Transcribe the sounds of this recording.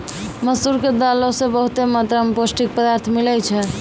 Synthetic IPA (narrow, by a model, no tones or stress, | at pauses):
məsuɾked̪alɔsebəɦut̪emat̪ɾameposʈik̚pəd̪aɾt̪ʰmilɛt͡ʃʰɛ